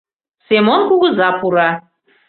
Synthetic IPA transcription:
semonkuɣɤ̆zɑpuɾɑ

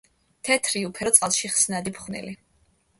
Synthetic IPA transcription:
t̪ʰɛt̪ʰɾiupʰɛɾɔt̪sʼalˠʃiχsnad̪ipʰχnḭli

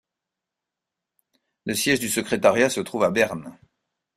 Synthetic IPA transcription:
ləsjɛʒd̪ysəkχet̪aʁjasət̪χuvabɛʁn

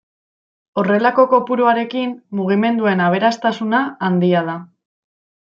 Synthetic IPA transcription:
o̞re̞lako̞ko̞puɾuaɾe̞kimmuɣ̞ime̞nd̪ue̞naβ̞e̞ɾast̪asunaːnd̪iað̞a

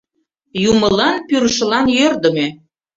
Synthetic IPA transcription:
jumə̆lɑnpyɾəʃə̆lɑnjørd̪ə̆me

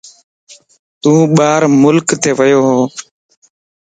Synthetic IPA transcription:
t̪ũːɓaːɾmʊlkt̪eːʋəjoːɦoː

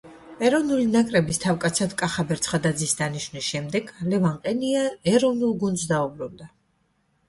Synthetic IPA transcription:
ɛɾɔvnulinakʼɾɛbist̪ʰavkʼat̪sʰad̪kʼaχabɛɾt̪sʰχad̪ad̪zisd̪aniʃvnisʃɛmd̪ɛɡlɛvaɴqʼɛniaɛɾɔvnulˠɡund̪zd̪aubɾund̪a

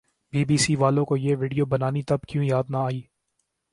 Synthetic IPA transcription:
biːbiːsiːʋaːlõkojeːʋɪːɖijoːbɐnaːnit̪ɐbkjũːjaːd̪naaːiː

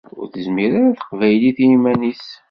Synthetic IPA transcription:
ʊ̰ɾθəzmiɾaɾaθə̥qvæjliθimænis

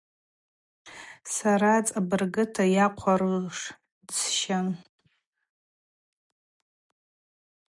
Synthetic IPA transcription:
saɾat͡sʼabɨrɡɨtʰajaqʷʰaɾɨlʂ | t͡sʃan

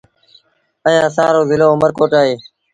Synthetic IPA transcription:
ə̃jãːsaːɾoːzɪloːʊməɾkoːʈaːɦeː

